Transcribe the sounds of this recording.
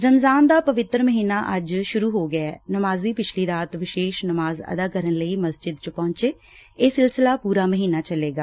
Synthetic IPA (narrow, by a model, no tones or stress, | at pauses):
ɾəmzaːnd̪aːpəʋɪt̪ːɾməɦiːnaːʔəd͡ʒʃʊɾuːɦoːɡaɛːnəmaːzd̪iːpɪt͡ʃʰliːɾaːt̪ʋɪʃeːʃnəmaːzə̰d̪aːkəɾənləiːməsd͡ʒɪd̪t͡ʃəpɔ̃ːɲt͡ʃeː | eːsɪlsɪlaːpuːɾaːməɦiːnaːt͡ʃəleːɡaː